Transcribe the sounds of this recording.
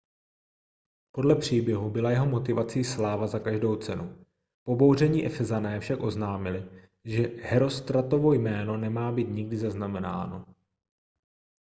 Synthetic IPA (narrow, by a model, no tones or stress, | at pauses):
po̞dlɛpr̝̥iːbjɛɦubɪlajɛɦo̞mo̞t̪ɪvat͡siːslaːvazakaʒdo̞wt͡sɛnu | po̞bo̞wr̝ɛɲiːʔɛfɛzanɛːfʃakʔo̞znaːmɪlɪ | ʒɛhɛɾo̞st̪ɾat̪o̞vo̞jmɛːno̞nɛmaːbiːt̪ɲɪɡdɪzaznamɛna̰ːno̞